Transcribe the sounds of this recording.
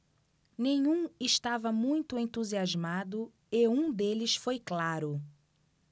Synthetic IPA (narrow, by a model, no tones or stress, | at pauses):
nẽɲũɪʃt̪avɐmũj̃t̪ʊẽnt̪uziazmad̪ʊ | ɪũd̪elɪsfojklaɾʊ